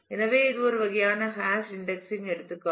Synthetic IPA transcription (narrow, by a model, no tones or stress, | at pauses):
ɛnɐʋeːɪðɯɔɾɯʋɐɣɐjaːnɐhaːsɪɳɖɛksɪŋɛɽɯt̪ːɯkːɐ